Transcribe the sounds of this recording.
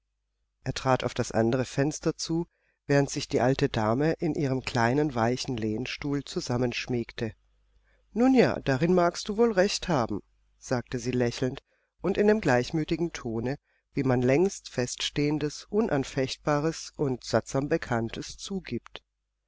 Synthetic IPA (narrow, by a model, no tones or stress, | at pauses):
ʔeːɐtʁ̥aːtaʊfd̥asʔa̰ndəʁ̞əfɛnstɐt͡suː | vɛːʁəntz̥ɪçd̥iːʔaltədaːməʔɪnʔiːʁ̞əmkl̥aɪnənvaɪçn̩leːnʃtuːlt͡suzamənʃmiːktʰə | nuːnja̰ːd̥aʁɪnmaɐkst̚d̥uːvoːlʁɛçthaːbm̩ | z̥aːk̚təziːlɛçl̩nt | ʔʊntɪndeːmɡlaɪçmyːtɪɡŋ̩tʰoːnə | viːmanlɛŋstfɛstʃteːəndəsʔʊnʔanfɛçt̚b̥aːʁəsʔʊntz̥atz̥aːmbəkʰantʰəst͡suːɡiːpt